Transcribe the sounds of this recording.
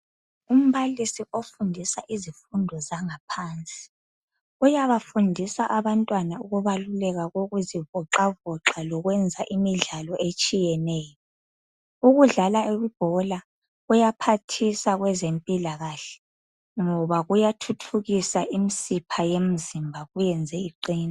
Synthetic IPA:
um̩βalisiʔofundʱisaʔizifundʱɔzaŋapʰaːnt͡sʼi̥ | ujaβafundʱisaʔaβantʼwanauɣuβalulɛɣaɣoɣuzivɔǁavɔǁalɔɣwɛnd͡zʱaʔimiɮalɔʔet͡ʃʼijɛnɛːjɔ | uɣuɮalaeβib̥ʱɔla | ɣujapʰatʰisaɣwɛzempʼilaɣaɬɛ̥ | ŋɔβaɣujatʰutʰuɣisaʔimisipʰajem̩zimbʱaɣujɛnd͡zʱɛiǃiːna

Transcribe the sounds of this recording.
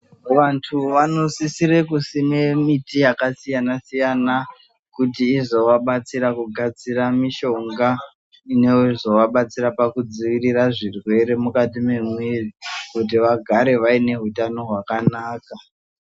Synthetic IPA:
ʋantʰuʋano̞sisiɾekusine̞mitijakasijanasijana | kutiːzo̞ʋaɓat͡siɾakuɡʱad͡ziramiʃo̞ŋɡa | ine̞uzo̞ʋaɓat͡siɾapakud͡ziʋiriraʐirwe̞ɾe̞mukatimemweikut̬iʋaɡʱaɾe̞ʋaine̞ɦutano̞ɦwakanaːka

